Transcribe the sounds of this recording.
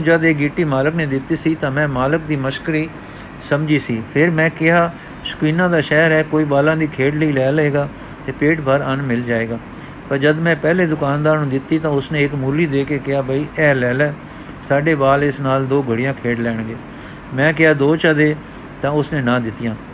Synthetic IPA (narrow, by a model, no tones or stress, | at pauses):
d͡ʒəd̪eːɡiːʈiːmaːləkneːd̪ɪt̪ːiːsiːt̪ãːmɛ̃ːmaːlək̚d̪iːməʃkəɾiː | səmd͡ʒiːsiːpʰɪɾmɛ̃ːkɪɦaː | sə̥kwiːnãːd̪aːʃɛːɾɛːkoːiːbaːlãːd̪iːkʰeːɖləiːlɛːləeːɡaː | t̪eːpeːʈbəɾənmɪld͡ʒaːeːɡaː | pəɾd͡ʒəd̪mɛ̃ːpɛːleːd̪ʊkaːnd̪aːɾnũːd̪ɪt̪ːiːt̪ãːʊsnẽːɪkmuːliːd̪eːkeːkɪaːbʱəiːʔɛːlɛːlɛː | saːɖeːbaːlɪsnaːld̪oːɡʱəɽɪjãːkʰeːɖlɛːɳ̃ɡeː | mɛ̃ːkɪɦaːd̪oːt͡ʃəd̪eː | t̪ãːʊsnẽːnãːd̪ɪt̪ːɪjãː